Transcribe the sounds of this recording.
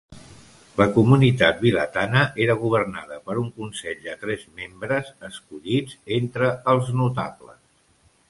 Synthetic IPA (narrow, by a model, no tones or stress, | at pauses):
ləkumunit̪at̪̚bilə̰t̪anəʔeɾəɣ̞uβ̞ərnaðəpəɾuŋkunsɛʎd̪ət̪ɾɛzmembɾəzəskuʎid͡zent̪ɾəːlˠznut̪a̰βlə̰s